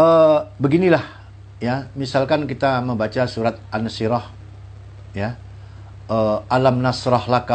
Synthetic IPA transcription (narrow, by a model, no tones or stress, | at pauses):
əbəɡinilah | jamisalkankit̪aməmbat͡ʃasuɾat̪̚ʔansiɾɔh | ja | əʔalamnasɾɔhlaka